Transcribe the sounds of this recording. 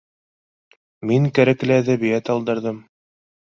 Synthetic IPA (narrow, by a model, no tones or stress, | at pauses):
miŋkæɾæklɘæðæβijæt̪ɑlˠd̪ɤ̆ɾðɤm